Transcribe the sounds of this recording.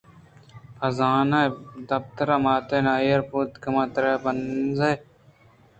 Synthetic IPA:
pʰɐzaːnajd̪ɐpt̪ɐɾɐmaːt̪eːnaːjɐɾpuːt̪kɐmaːt̪ɾeːbɐnzɐj

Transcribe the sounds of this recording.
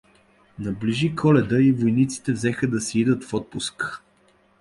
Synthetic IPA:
nɐbliʒikɔlɛd̪əivojnit̪si̥t̪ɛvzɛxəd̪ɐsiid̪ət̪fɔt̪̚pʊsk

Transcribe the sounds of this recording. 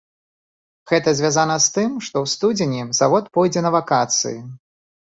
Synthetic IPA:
ɣɛt̪ɐzʲvʲazan̪ɐst̪ɨmʂt̪ɔwst̪ud͡zʲɪnʲiz̥avɔt̪̚pɔjd͡zʲɛnɐvakat̪sɨ̰ji

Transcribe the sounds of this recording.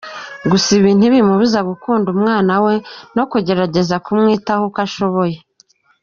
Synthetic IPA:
ɡusiβiːn̥huβimuβuzaɡukuːndumŋaːnawe̞no̞kuɟe̞ɾaɟe̞zakumŋiːtahokaʃo̞βo̞je̞

